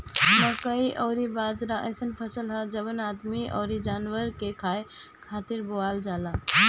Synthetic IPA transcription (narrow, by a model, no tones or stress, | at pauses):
t̪əkəiʔɔːɾibad͡ʒɾaʔə̰jsənpʰəsəlɦəd͡ʒəbənad̪miʔɔ̰ːɾid͡ʒaːnwəɾkekʰaːe | kʰat̪iɾboald͡ʒala